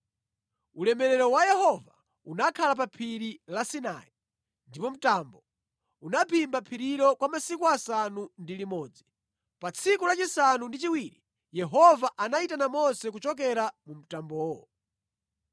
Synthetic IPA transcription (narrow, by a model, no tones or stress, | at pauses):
ulɛmɛɾɛɾɔwajɛhɔva | unakʰalap̬apʰiɾilasina̰i | ndipɔm̩tambɔ | unapʰimbapʰiɾiɾɔkwamasikuasanundilimɔːd͡zi | pat͡sʰikulat͡ʃisanundit͡ʃiwiɾi | jɛɦɔvaʔanaitanamɔsɛk̬ut͡ʃɔk̬ɛɾamum̩tambɔːwɔ